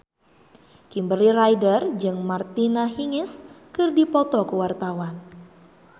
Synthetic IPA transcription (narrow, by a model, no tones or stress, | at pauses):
kimbəɾirajdərd͡ʒɨŋmart̪inaɦiŋɪskɨrdipɔt̪ɔkəwart̪awan